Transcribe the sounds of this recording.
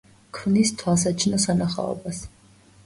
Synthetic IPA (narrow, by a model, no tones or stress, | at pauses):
kʰvnist̪ʰwalˠs̬at͡ʃʰnɔsanaχa̰ɔ̰bas